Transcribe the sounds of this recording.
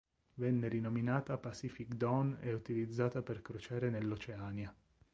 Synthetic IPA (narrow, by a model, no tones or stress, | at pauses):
vɛnːeɾinominaːt̪apasifikd̪onɛut̪ilid̪zːaːt̪aperkɾot͡ʃaːɾenelːot͡ʃeaːnja